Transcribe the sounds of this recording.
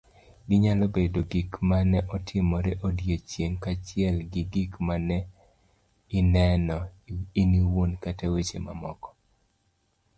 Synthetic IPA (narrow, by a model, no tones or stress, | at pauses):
ɡɪɲalɔbedoɡikmanɛʔɔtʰɪmɔɾɛʔodjet͡ʃjeŋkat͡ʃɪɛlɡɪɡikmanɛ | ɪnɛnɔiniwonkatawet͡ʃḛma̰mɔkɔ̥